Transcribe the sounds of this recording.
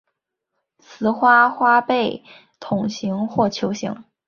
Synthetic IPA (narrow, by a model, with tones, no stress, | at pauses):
t͡sʰɹ̩˧˥xwa˥xwa˥pe˥˩ɪ | t̪ʰʊ˨˩ŋɕi˧˥ŋxwɔ˥˩t͡ɕʰjo˧˥ʊɕi˧˥ŋ